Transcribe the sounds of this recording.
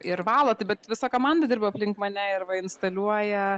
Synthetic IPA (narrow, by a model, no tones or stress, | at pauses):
ɪɾʋɑːlˠɐt̪ɐɪbʲɛt̪ʋʲɪsɐkoːmɑːnd̪ɐd̪ʲɪrbʲɐpʲlʲɪŋkmɐnʲɛɪrʋɐɪnst̪ɐlʲuɔjɛ